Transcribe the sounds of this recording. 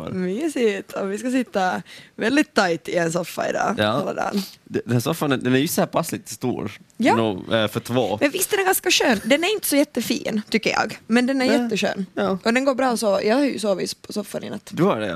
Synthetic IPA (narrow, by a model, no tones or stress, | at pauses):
myːsɪt̪ʰɔvɪskas̬ɪt̪ːavɛld̪ɪt̪ʰːajt̪ɪɛnsɔfːa̰ɪ̰d̪ɑ̰ːalːa̰d̪ɑ̰ːnd̪ɛd̪ɛnhæːsɔfːanɛd̪ɛnæɾjɵsɔhæːpʰaslɪt̪ʰːɪst̪ṵːɾjɑːnuːfœʈʰvo̰ːmɛnvɪst̪d̪ɛnæɾɡanskaɕøːnd̪ɛnæɾɪnt̪əsɔjɛt̪ːəfḭːnt̪ʏkːəjɑ̰ːɡmɛnd̪ɛnæɾjjɛt̪ːəɕø̰ːnɑʔɔd̪ɛnɡoːɾbɾɑːɔsɔjʔɑːhɑɾjʉ̰s̬oːvɪ̰spʰɔsɔfːanɪ̰nːə̰t̪ːd̪ɵhaɖɛ